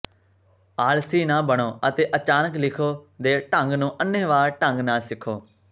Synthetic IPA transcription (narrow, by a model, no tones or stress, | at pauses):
aːlsiːnãːbəɽ̃oːət̪eːʔət͡ʃaːnəklɪkʰoːd̪eːʈəŋɡnũːʔənːẽːʋaːɾʈəŋɡnãːsɪkʰoː